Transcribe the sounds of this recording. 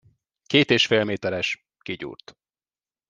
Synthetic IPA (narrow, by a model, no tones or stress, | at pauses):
keːt̪eːʃfeːlmeːt̪ɛɾɛʃ | kiɟṵːrt̪